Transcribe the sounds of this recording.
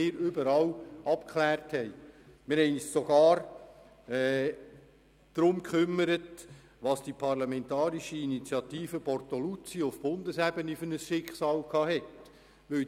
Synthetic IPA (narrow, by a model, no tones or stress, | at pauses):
ɪːɾʏbəɾɑlʔɑp̚kχlæːrthɛɪmɪɾhɛɪnissɔɡɑːɾ | ɛ | d̪̥ɾʊmkχʏmːəɾət | ʋɑsd̥ipʰɑrlɑmɛntɑːɾiʃəinit͡sjɑtiːfəpɔrtɔlut͡siʊfb̥ʊndəsɛbənifʏnəsʃɪkχsɑːlkʰɑːhɛt | ʋʏl